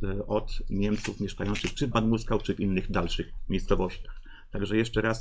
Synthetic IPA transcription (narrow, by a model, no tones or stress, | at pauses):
ɔt̪mʲjɛmt̪sufmʲjɛʂkajɔnt̪sɘxpʂɘvband̪muskawt͡ʂɘvʲinːɘɣd̪alʂɘxmʲejst̪sɔvɔɕt͡ɕax | t̪aɡʐɛjɛʂt͡ʂɛɾas